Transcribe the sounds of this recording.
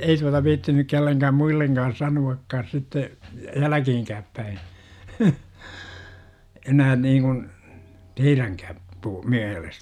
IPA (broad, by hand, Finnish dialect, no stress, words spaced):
ei tuɑtɑ ʋiːtːi nyk kelːeŋkæːm muilːeŋɡ̊ɑːn̞ sɑnuɑkːɑːs sitːe jælækiːŋkæːp pæi enæː niːŋkun teiræŋkæːp puː miælestæ